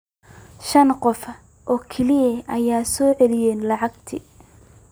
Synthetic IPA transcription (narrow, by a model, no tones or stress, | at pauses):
ʃɐnqɔfɐ | ʔɔːkʰɛlɪjɐʔɐjaːsɔːʕɛlɪjɛːnlɑʕɑɡt̪ʰḭ